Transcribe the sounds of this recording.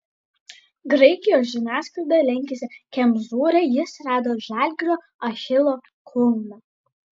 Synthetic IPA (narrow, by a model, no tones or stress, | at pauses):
ɡɾɐɪkʲɪjoːs̬ʒʲɪnʲæːskɾˠɐd̪ɐlʲɛŋʲkʲɛsʲɪkʲɛmzuːɾʲɛjɪsɾɑːd̪oːʒæːˑlʲɡʲɾʲoː | ɐxʲɪlˠoː | kʰʊlˠnɐ